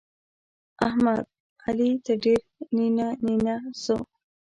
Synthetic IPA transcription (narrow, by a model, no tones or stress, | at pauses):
a̰hmad̪̚ | alit̪aɖiɾninaninaso̰